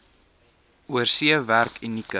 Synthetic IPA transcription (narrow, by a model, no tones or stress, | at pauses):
uərsiəværkʰinːikə